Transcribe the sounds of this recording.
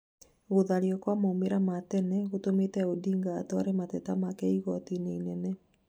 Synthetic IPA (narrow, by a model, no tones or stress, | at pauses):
ɣoðaɾiɔkwamaomeɾamatɛnɛɣotometɛodiːŋɡaːtɔaɾematɛtamakɛiɣɔtineinɛnɛ